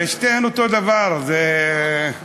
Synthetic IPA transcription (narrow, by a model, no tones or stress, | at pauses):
eʃt̪enot̪od̪avaʁze